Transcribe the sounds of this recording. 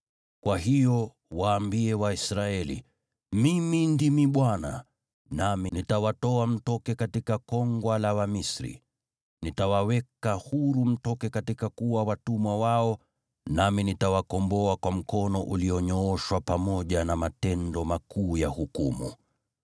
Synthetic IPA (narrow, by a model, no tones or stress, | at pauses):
kwaɦijɔ | waːmbiɛwaisɾaɛlḭ | mimindimiɓwana̰ | naminitawatɔam̩tɔkɛkatikakɔŋɡwalawamisɾḭ | nitawawɛkahuɾum̩tɔkɛkatikakuwawatumwawaɔ | naminitawakɔmbɔakwam̩kɔnɔʔuliɔɲɔɔʃwapamɔʄanamatɛndɔmakuːjahukumṵ